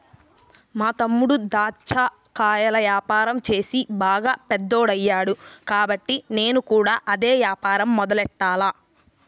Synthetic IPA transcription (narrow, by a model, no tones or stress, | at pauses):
maːt̪ɐmːuɽud̪aːt͡ʃːaː | kaːjɐlɐjaːpaːɾɐmt͡ʃe̞ːsibaːɡaːpɛd̪ːoːɽɐjːaːɽukaːbɐʈːine̞ːnukuːɽaːʔɐd̪e̞ːʋjaːpaːɾɐmːɔd̪ɐlɛʈːaːlaː